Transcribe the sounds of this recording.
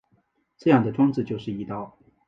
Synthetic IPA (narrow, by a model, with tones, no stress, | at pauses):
ʈ͡ʂɤ˥˧jɑ˥˩ŋd̪ə˩ʈ͡ʂwɑ˥ŋt͡sɹ̩˥˧t͡ɕjo˥˧ʊʂɻ̩˥˩i˧˥t̪ɑ˥˩ʊ